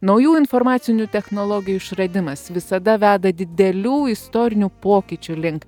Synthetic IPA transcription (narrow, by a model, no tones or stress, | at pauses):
nɐʊjuːɪnfɔɾmɑːt̪sʲɪnʲʊt̪ʲɛxnoːlˠɔɡʲɪjuːɪʃɾɐd̪ʲɪmɐsʋʲɪsɐd̪ɐʋʲæːd̪ɐd̪ʲɪd̪ʲɛlʲuːɪst̪ɔːɾʲɪnʲupoːkʲiːt͡ʃʲulʲɪŋk